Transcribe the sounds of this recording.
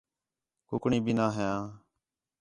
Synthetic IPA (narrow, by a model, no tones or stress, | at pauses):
kʊkɳiːbʱiːnaːɦejãː